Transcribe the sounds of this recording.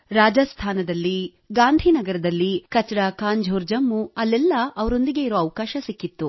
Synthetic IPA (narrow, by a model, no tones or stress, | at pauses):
ɾaːd͡ʒɐst̪ʰaːnɐd̪ɐlːi | ɡaːnd̪ʱinɐɡɐɾɐd̪ɐlːikɐt͡ʃɾakaːɲd͡ʒʱoːɾd͡ʒɐmːuɐlːɛlːɐʔɐʋɐɾo̞nd̪iɡe̞iɾoːɐʋkaːʃɐsikːit̪ːu